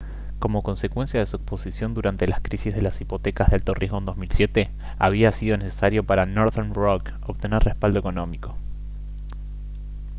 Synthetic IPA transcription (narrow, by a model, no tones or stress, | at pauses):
ko̞mo̞ko̞nse̞kwe̞nsjaðesuekspo̞sisjo̞nd̪uɾant̪e̞laskɾisizðe̞lasipo̞t̪e̞kazðelt̪oriɦoend̪o̞zmilsjet̪e | aβ̞iasiðo̞ne̞se̥saɾjo̞paɾanoɾðeɾnrok | oβt̪e̞nerrʔespald̪oekono̞miko̞